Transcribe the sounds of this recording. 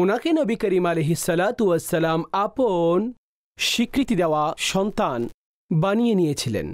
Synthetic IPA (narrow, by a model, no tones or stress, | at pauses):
unakenəbikəɾiːmaleɦisːəlat̪uʋəsːəlamapon | ʃikɾit̪id̪ɛʋaʃɔnt̪an | banijenijet͡ɕʰilḛn